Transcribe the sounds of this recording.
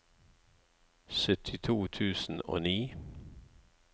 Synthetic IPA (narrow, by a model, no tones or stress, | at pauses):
sœt̪ʰɪt̪ʰuːt̪ʰʉːsn̩o̰ːniː